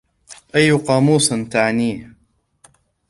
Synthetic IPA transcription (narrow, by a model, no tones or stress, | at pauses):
ʔajːʊqɑːmuːsˤnt̪aʕniː